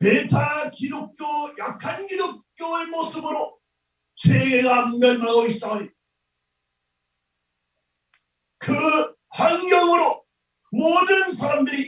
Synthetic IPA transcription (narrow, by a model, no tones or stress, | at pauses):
metʰakidok̚k͈jojakʰanɡidok̚k͈joemos͈ɯbɯɾo | t͡ɕweɡeɡammʌnnaɡois͈aɲi | kɯ | haŋɡjʌŋɯɾo | modɯnsʰaɾamdɯɾi